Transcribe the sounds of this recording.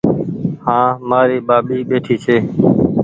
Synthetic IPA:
hãːmaːɾiːɓaːɓiːɓeːʈʰiːt͡ʃʰeː

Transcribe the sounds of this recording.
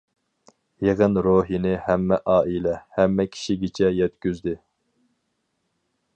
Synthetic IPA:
jeʁənɾoɦinɪhæmːɛʔɑːilɛhɛmːɛkʲʰi̥ʃiɡʲit͡ʃʰɛjɛt̪kʲyzd̪ɪ

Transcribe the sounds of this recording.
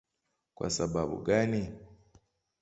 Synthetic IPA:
kwʔa̰sababṵɡani

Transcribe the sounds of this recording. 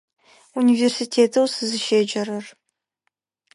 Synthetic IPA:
universitʰeːtʰɐwsɨzɨʃeːd͡ʒɐɾɐr

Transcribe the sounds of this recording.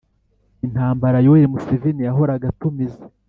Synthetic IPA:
in̥haːmbaɾajoweɾimusevinijaɦo̞ɾaɡatumize̥

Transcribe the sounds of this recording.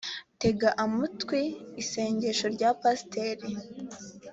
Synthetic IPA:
te̞ɡaʔamutwiːse̞ːɲɟe̞ʃo̞ɾɟapasteɾi

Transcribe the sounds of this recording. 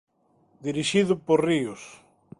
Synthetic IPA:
d̪iɾiʃiðʊpoɾriʊs

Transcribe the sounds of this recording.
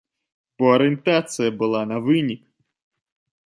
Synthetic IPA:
pɔɐɾɪnt̪at̪sɨjɐbɨlˠanɐvɨnʲik

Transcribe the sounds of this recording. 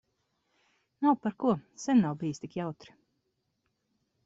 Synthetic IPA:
nawpaɾkuɔsɛnːawbijst̪ʲikjawt̪ɾi̥

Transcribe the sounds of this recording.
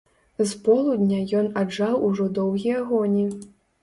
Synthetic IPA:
zpɔlˠud̪ʲnʲajɔnad͡ʐawuʐɔd̪ɔwɣʲijɐɣɔnʲi

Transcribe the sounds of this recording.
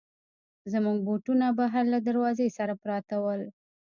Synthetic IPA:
zmuɡ̚boʈunabaɦaɾlad̪aɾwɑzesaɾapɾɑt̪awəl

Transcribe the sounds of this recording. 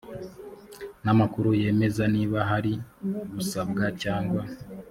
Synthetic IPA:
namakuɾuje̞ːme̞zaniːβaɦaɾiβusabɡacaːŋɡwa

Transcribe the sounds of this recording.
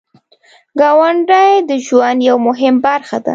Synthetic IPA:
ɡɑwaɳɖajd̪əʒwand̪jawmʊɦɪmbaɾxad̪a̰

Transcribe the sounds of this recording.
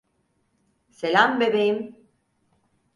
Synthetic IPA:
selambebejim

